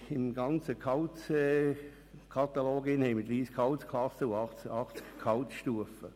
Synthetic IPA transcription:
ɪmɡɑnt͡səkʰɑʊtɛ | kʰɑt̪aloːɡɪnhɛɪməd̪ɾiːskʰɑʊtskʰlɑsəʊɑɑχt͡skkʰːaʊtʃtuəfə

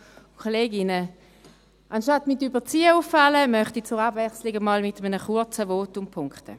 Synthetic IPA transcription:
kʰoleːɡɪnə | ʔɑnʃtɑtmɪtybət͡siːəufːɑləmœχtit͡sʊʁɑbvɛχslɪɡəmɑːlmɪtəmənəχuɐt͡səvoːtʊmpʰʊŋkχtə̰

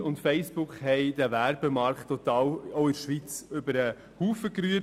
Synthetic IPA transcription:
ʊntfɛɪsb̥ʊkχhɛɪd̥ævæɾbəmɑɾkt̪ːɔt̪ɑːwoʊɪɾʃʋit͡sʏbəɾə | huːfəkɾyːə

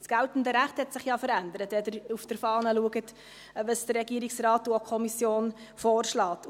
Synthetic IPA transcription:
sɡ̥æltn̩dəɾæχthɛtsɪχjɑfəɾænd̪əɾətɛdəɾufd̥əɾfɑːnəluəɡət | ʋəsd̥ərːɛɡiəɾiksrɑːtːuokʰɔmisjoːn | foːrʃlɑːt

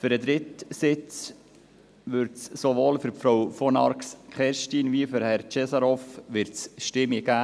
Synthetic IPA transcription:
fyɾəd̪ɾɪt̪sɪt͡s | ʋʏɾtssoʋoːlfyɾfɾowfɔnɑ̰ɾkskχɛɾʃtiːnviːfyɾhɛɾt͡ʃɛsɑɾɔfʋɪɾtsʃtɪmiɡ̥æː

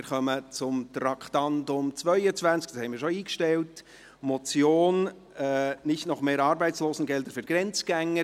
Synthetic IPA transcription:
ɪɾχœmət͡sʊmt̪ɾɑkʰtɑndʊmt͡svœʏət͡sʋænt͡sk̚ɑshɛɪnmɪːɾʃɔiːkʃtɛlt | mɔt͡sjoːn | ɛnɪçtnɔχmeːɾɑːɾbɛɪt͡sloːsn̩ɡɛld̪əɾfʏɾɡ̥ɾɛnt͡sɡ̥æŋːə

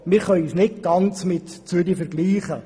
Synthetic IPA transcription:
mɪɾχœjysnɪtɡ̥ɑnt͡smɪt̪t͡syd̪ifɛɾɡliːχə

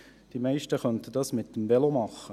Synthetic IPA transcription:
d̥imæɪʃtəχœnt̪əd̥̪ɑsmɪt̪ːəmvɛlomɑχə

